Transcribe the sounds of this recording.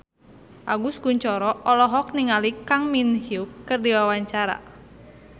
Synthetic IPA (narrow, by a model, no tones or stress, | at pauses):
ʔaɡuskuɲt͡ʃɔɾɔʔɔlɔɦɔk̚niŋalikaŋminhiukːɨrdiwawaɲt͡ʃaɾa̰